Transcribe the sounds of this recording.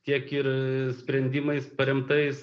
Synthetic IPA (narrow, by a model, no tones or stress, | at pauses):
tʲiɛkɪɾsʲpʲɾʲɛnʲd̪ʲɪmɐɪspɐɾʲɛmt̪ɐɪs